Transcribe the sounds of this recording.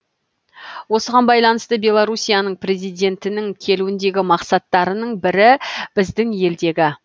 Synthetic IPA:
wo̞səʁɑnbɑjlˠɑnəst̪əbʲe̞lˠaɾusʲijanəɴpre̞zijd̪ʲe̞nt̪ɪnɪŋkʲʰe̞luwɪnd̪e̞ɡʲɪmɑqsɑt̪ːɑɾənəɴbɪɾɪb̥ɪzd̪ɪŋje̞ld̪e̞ɡʲɪ

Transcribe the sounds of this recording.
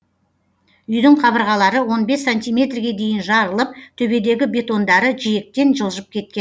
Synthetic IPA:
ʏjd̪ɪɴqʰɑβəɾʁɑlˠɑɾəwo̞nbe̞sːanʲt̪ijmʲe̞t̪rɡʲe̞d̪e̞jɪnʒɑɾəlˠəp̚t̪ʰɵbe̞d̪e̞ɡʲɪbe̞t̪o̞nd̪ɑɾəʒije̞k̚t̪e̞nʒəlˠʒəp̚kʲʰe̞t̪̚kʲen

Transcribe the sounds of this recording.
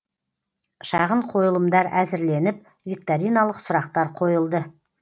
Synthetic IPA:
ʃɑʁəɴqʰo̞jəlˠəmd̪ɑɾæzɪɾle̞nɪp̚ | vʲik̚t̪aɾijnalˠəqsʊɾɑqt̪ɑɾqʰo̞jəlˠd̪ə

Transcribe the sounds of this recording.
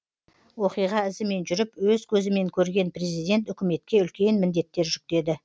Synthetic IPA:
wo̞qijʁɑɪzɪme̞nʒʏɾɪpwɵzkʲʰɵzɪme̞ŋkʲʰɵɾɡʲe̞npre̞zijd̪e̞nt̪ʏkʲɪme̞t̪kʲe̞ʏlkʲe̞nmɪnd̪e̞t̪ːe̞ɾʒʏk̚t̪e̞d̪ɪ

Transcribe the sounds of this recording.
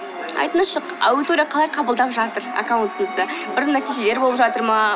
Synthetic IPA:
ɑ̰jt̪ənəʃəqa̰wɪt̪oɾʲijɑqʰɑlˠɑjqʰɑbəlˠd̪ɑpʒɑt̪əɾa̰kawnt̪əməzd̪əbɪɾnːæt̪iʒe̞leɾbolˠəpʒɑt̪əɾmɑ

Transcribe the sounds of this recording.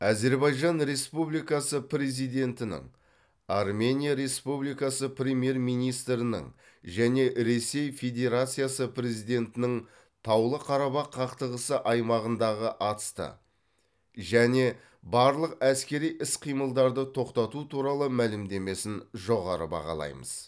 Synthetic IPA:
æze̞ɾbɑjʒɑnɾe̞spublijkɑsəpɾe̞zijd̪e̞nt̪ɪnɪ̰ŋ | ɑrmʲe̞nʲijaɾe̞spublijkɑsəprʲemʲje̞ɾmijnijst̪ɾɪnɪ̰ŋ | ʒæne̞ɾe̞se̞jfʲe̞d̪ʲe̞ɾat̪sɨjasəpɾe̞zijd̪ʲe̞nt̪ɪnɪŋ | t̪ʰɑwlˠəqʰɑɾɑbɑqʰːɑqt̪əʁəsəʔɑjmɑʁənd̪ɑʁəʔɑt̪ə̥st̪ə̰ | ʒæne̞ | bɑɾlˠəqæskʲe̞ɾijʔɪsqʰijməlˠd̪ɑɾd̪ət̪ʰo̞qt̪ɑt̪ut̪ʰuɾɑlˠəmælɪmd̪e̞me̞sɪnʒo̞ʁɑ̰ɾə̰bɑ̰ʁɑ̰lˠɑ̰jmə̰z̥

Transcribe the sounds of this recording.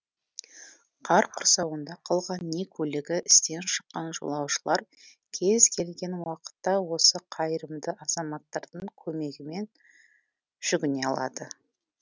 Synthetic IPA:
qʰɑɾqʰʊɾsɑwənd̪ɑqʰɑlˠʁɑnːe̞kʲʰɵlɪɡʲɪʔɪst̪e̞nʃə̥qːɑnʒo̰lˠɑwʃəlˠɑɾ | kʲʰe̞zkʲʰe̞lɡʲe̞nwɑqə̥t̪ːɑwo̞səqʰɑjɾəmd̪əʔɑzɑmɑt̪ːɑɾd̪əɴkʲʰɵme̞ɡʲɪme̞n | ʒ̥ʏɡʲɪne̞ɑlˠɑ̰d̪ə

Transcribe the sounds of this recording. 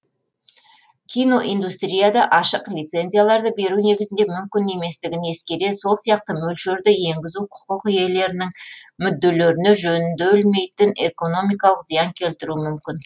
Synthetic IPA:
kʲʰijno̞ʔijnd̪ust̪ɾʲijad̪ɑʔɑʃəqlʲijt̪se̞nzijalˠɑɾd̪əbe̞ɾune̞ɡʲɪzɪnd̪e̞mʏmkʲɪne̞me̞st̪ɪɡʲɪne̞skʲed̪e̞so̞lˠsijɑq̚t̪əmɵlʃeɾd̪ɪje̞ŋɡʲɪzuqʰʊ̥qəqje̞le̞ɾɪnɪŋmʏd̪ːe̞le̞ɾɪne̞ʒɵnɪnd̪ebɪlme̞jt̪ɪne̞ko̞no̞mijkɑlˠəqzijɑŋkʲʰe̞lt̪ɪɾumʏmkʲɪn

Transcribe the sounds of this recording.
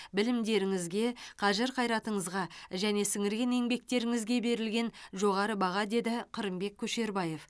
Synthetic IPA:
bɪlɪmd̪e̞ɾɪŋɪzɡʲe̞qʰɑʒɪɾqʰɑjɾɑt̪əɴəzʁɑʒæne̞sɪŋɪɾɡʲe̞ne̞ŋbe̞k̚t̪e̞ɾɪŋɪzɡʲe̞be̞ɾɪlɡʲe̞nʒo̞ʁɑɾəbɑʁɑd̪e̞d̪ɪqʰəɾəmbe̞kʲʰːɵʃe̞ɾbɑje̞f

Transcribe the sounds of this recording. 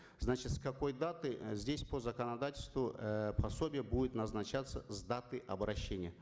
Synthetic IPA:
znat͡ɕɪt̪skɐko̞jd̪at̪ɨzʲdʲesʲpozəkənɐd̪atʲɪlʲst̪vʊpʰɐsobʲɪjəbudʲɪt̪nɐznɐt͡ɕat̪səzd̪at̪ɨʔɐbɾɐɕːenʲɪjə

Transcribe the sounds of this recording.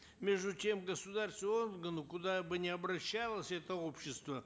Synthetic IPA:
mʲe̞ʐd̪ʊtʲemɡəsʊd̪arsʲt̪vorɡənʊkʊd̪abɨnʲɪɐbɾɐɕːalˠəsʲɛt̪əo̞pɕːɪst̪və

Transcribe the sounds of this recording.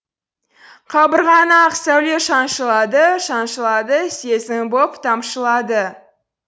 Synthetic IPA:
qʰɑbəɾʁɑnɑqsæwle̞ʃɑnʃəlˠɑd̪əʃɑnʃəlˠɑd̪əse̞zɪŋbopt̪ʰɑmʃəlˠɑd̪ə

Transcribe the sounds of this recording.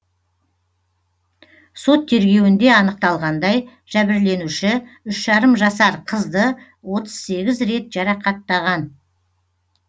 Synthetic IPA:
so̞t̪ʰːe̞ɾɡʲe̞wɪnd̪e̞ɑnəq̚t̪ɑlˠʁɑnd̪ɑj | ʒ̥æbɪɾle̞nuʃɪʏʃʒɑɾəmʒɑsɑɾqʰəzd̪ə | wo̞t̪ə̥z̥se̞ɡʲɪzɾe̞t̪ʒ̥ɑɾɑqʰɑt̪ːɑʁɑn

